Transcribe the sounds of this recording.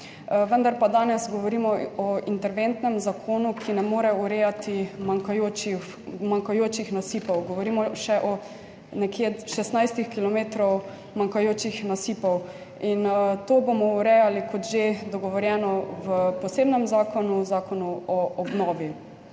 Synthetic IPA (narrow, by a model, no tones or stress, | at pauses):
ʋənd̪aɾpad̪aːnɛszɡɔʋɔɾiːmɔɔint̪ɛɾʋent̪nɛmzakʰoːnukʰinɛmoːɾɛuɾɛjat̪imaŋkajoːt͡ʃix | maŋkajoːt͡ʃixnasiːpɔwɡɔʋɔɾiːmɔʃɛʔɔ | nɛkjeʃɛst̪najst̪ixkilɔmeːt̪ɾɔw | maŋkajoːt͡ʃixnasiːpɔw | int̪oːbomɔuɾɛjalikɔt̪ʒed̪ɔɡɔʋɔɾjɛːnɔwəpɔseːbnɛmzaːkɔnuzaːkɔnuɔɔbnɔːʋji